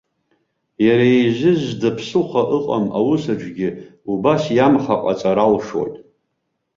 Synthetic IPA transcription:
jaɾajʒʷɪzdapʰsɨlχʷaʔɨqʼama̰wʊsaʈ͡ʂʷɡʲɪubasjamχaqʼat͡sʼaɾalʂo̰jtʼ

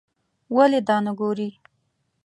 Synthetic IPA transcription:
waled̪ɑnaɡoɾi

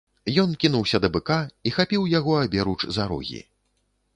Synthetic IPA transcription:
jɔnkʲinuwsʲɐd̪ɐbɨkaixapʲiwjaɣɔabʲɛɾut͡ʂzaɾɔ̰ɣʲḭ

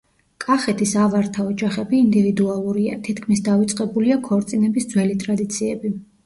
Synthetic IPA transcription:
kʼaχɛt̪ʰisavaɾt̪ʰaɔd͡ʒaχɛbiːnd̪ivid̪ualˠuɾiat̪ʰit̪kʰmisd̪avit̪sʼqʼɛbuliakʰɔɾt̪sʼinɛbisd̪zwɛlit̪ʼɾad̪it̪sʰiɛbi

